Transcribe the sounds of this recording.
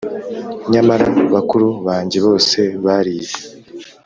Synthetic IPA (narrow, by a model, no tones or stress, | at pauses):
ɲamaɾaβakuɾuβaːɲɟeβo̞ːse̞βaɾiːze̥